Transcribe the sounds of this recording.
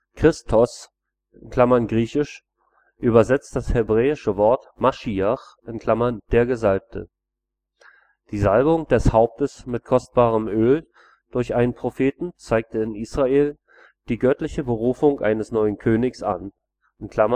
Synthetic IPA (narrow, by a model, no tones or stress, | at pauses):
kʁ̥ɪstʰɔs | ʔɪnkʰl̥amɐnɡʁiːçɪʃ | ʔyːbɐzɛt͡std̥ashebʁɛːɪʃəvɔɐt | maʃiːaχ | ʔɪnkʰl̥amɐnd̥eːɐɡəzalp̚tʰə̰ | d̥iːzalbʊŋd̥ɛshaʊp̚təsmɪt̚kʰɔst̚b̥aːʁəmʔøːl | d̥ʊɐçʔaɪnənpʁ̥ofeːtn̩t͡saɪk̚təɪniːsʁ̥aeːl | d̥iːɡœtlɪçəbəʁ̞uːfʊŋʔa̰ɪnəsnɔʏənkʰøːnɪçsʔa̰n | ʔɪnkʰl̥amɐ